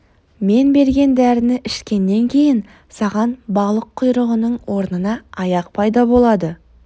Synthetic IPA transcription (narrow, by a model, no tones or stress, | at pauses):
me̞nbe̞ɾɡʲe̞nd̪æɾɪnɪʔɪʃkʲe̞nːe̞ŋkʲʰe̞jɪn | sɑʁɑnbɑlˠəqʰːʊjɾəʁənəɴwo̞ɾnənɑɑjɑq̚pʰɑjd̪ɑbo̞lˠɑd̪ə